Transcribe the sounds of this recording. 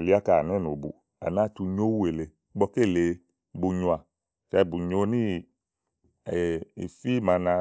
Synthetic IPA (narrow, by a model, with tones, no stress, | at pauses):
li˦a˦ka˨n˦ɛ˦˨no˨bṵ˨ | a̰˨na˦tu˧ɲo˦wu˦e˨le˨˦ɡ͡bɔ˧ke˦˨le˨˦ | bu˨ɲu˧˨a˨ | t͡ʃɛ˧˦˨bu˨ɲo˦ni˦˨ | ḭ˨fi˦ma˧nã˧